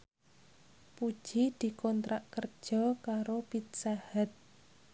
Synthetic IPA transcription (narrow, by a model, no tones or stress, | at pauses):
pu̥ʒ̥id̪̥i̤kɔnt̪ɾaʔkərd̥ʒ̥ɔ̤kaɾopit̪̚sahat̪̚